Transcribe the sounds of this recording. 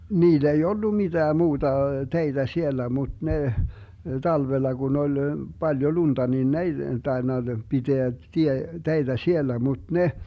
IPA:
niːl ei olːu mitæː muːtɑ teitæ sielæ mud̥ neh tɑlʋelːɑ ɡun ol b̥ɑljo lund̥ɑ nin n ei tɑenːɑ piteæ tie teitæ sielːæ mud̥ neh

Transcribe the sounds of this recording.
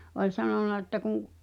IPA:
olʲ sɑnonˑɑ etːæ kuŋ

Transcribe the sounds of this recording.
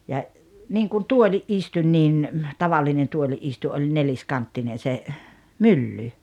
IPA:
jɑ niːŋkun tuolʲiʔ ʔistunʲ niːn tɑʋɑlːinen tuoliʔ ʔistu ʔolʲ nelʲiskɑntːinen̞ se mylːy

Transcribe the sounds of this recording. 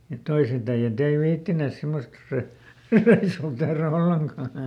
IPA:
mut toiset æij̆æt ei ʋiːtːineˑs semːost rø reisuː tehræ olːeŋkɑˑ

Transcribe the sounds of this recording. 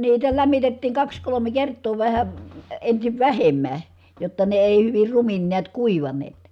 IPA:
niːtæ læmːitetːiːŋ kɑks kolome kertˑoː ʋæhæ ensiʋ ʋæhemːæ jotːɑ ne eˑi hyʋir rumin niæt kuiʋɑneːt

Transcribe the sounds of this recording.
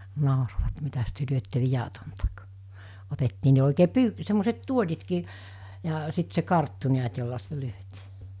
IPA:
nɑˑoroʋɑt mitæs tyø lyøtːe ʋijɑtontɑ k otetːiː ne oˑikeː py semːoset tuolʲitkiː jɑ sit se kɑrtːu niæt jolːɑ sitæ lyøtiː

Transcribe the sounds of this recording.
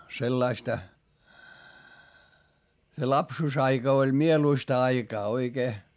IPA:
selːɑistɑ se lɑpsuːsɑikɑ olʲ mieluistɑ ɑikɑː oikeː

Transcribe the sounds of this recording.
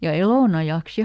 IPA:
jɑ eloˑnɑjɑˑks

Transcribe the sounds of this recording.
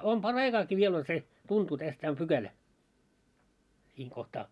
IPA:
om pɑrːɑikɑːki ʋiel on se tuntuː tæs tæː om pykælæ siːŋ kohtɑː

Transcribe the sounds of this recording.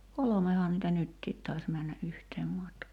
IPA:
kolomehɑː nitæ nytːiːt tɑis mænːæ ʔyhteːm mɑtkɑː

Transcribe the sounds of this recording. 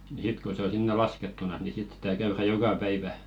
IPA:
nĭ sit ko se o sinːe lɑsketːunɑs ni sit sitæ kæyræ jokɑ pæiʋæ

